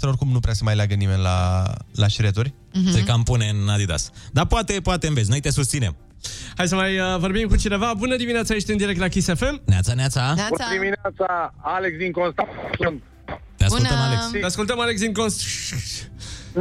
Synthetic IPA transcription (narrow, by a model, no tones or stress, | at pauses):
t̪eɾorkumnupɾeasəmajleaɡənime̞nʲla̰laʃɾet̪uɾʲ | ejkampuneɨnːad̪id̪a̰sd̪apoat̪e̞poat̪e̞ɨnvet̪s̬ʲno̞jt̪e̞sust̪sine̞̰m | hajs̬əmajəvo̞rbimkut͡ʃine̞vabunəd̪imineat̪sajet͡ʃʲt̪iɨnd̪iɾek̚t̪lakʲisefe̞mnea̰t̪saneat̪saniminat̪saaleksd̪iŋkonst̪asunt̪ | t̪easkuləmalest̪easkult̪əmaleks̬d̪iŋkons